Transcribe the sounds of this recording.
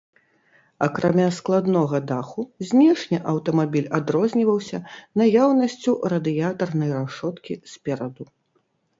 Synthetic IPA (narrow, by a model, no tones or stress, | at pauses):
ɐkɾamʲasklˠad̪nɔɣɐd̪axuzʲnʲɛʂnʲiʔɐwt̪ɐmabʲilʲad̪ɾɔzʲnʲivɐwsʲɐnajawnɐsʲt͡sʲurɐd̪ɨjat̪ɐrnɐjraʂɔt̪kʲisʲpʲɛɾɐd̪u